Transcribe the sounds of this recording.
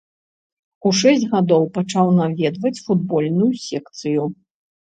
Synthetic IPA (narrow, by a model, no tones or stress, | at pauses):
uʂɛsʲd͡zʲɣad̪ɔwpat͡ʂawnavʲɛd̪vɐt͡sʲfud̪̚bɔlʲnujusʲɛkt̪sɨju